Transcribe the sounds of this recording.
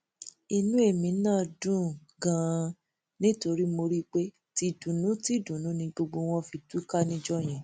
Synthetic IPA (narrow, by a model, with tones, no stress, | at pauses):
i˧nũ˦e˦˨mĩ˨˦nãː˦dũ˦˨ | ɡã˧˦ | nĩ˦to˧ɾi˦mo˧ɾi˦k͡pe˦ | ti˧dũ˨nũ˨˦ti˦dũ˨nũ˨˦nĩ˧ɡ͡bo˧ɡ͡bo˧w̃ɔ̃˧fi˧tu˦ka˦nĩ˧d͡ʒɔ˦˨j̃ɛ̃˨